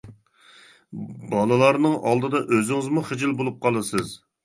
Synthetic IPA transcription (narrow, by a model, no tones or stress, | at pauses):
bɑlˠɨlˠɑɾnɨŋʔɑlˠd̪ɨd̪ɑʔøzɪŋɪzmuχɪd͡ʒɪlˠbolˠup̚qʰɑlˠɨsɨz